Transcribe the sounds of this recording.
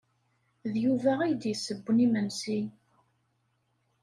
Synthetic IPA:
ðjuvæijd̪jəsːəbʷːnimənsi

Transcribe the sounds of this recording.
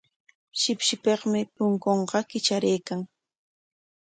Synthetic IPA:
ʃɪpʃɪpeχmɪpʊŋkoɴɢɑkɪt͡ʃaɾejkaŋ

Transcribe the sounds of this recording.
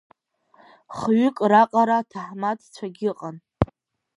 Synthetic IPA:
χɥʏkʼraqʼaɾatʰaħmatʰt͡ɕʷʰaɡʲɪqʼan

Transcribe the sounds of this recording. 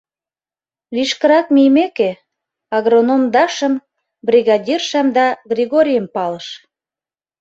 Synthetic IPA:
βiʃkəɾɑk̚mijmeke | ɑɣɾonomd̪ɑʃə̆m | brʲiɣɑdʲirʃəmd̪ɑɡrʲiɣoɾʲijəmpɑləʃ

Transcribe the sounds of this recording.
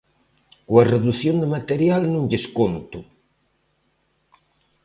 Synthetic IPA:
kwareðuθjond̪emat̪eɾjalnũŋʎeskont̪u

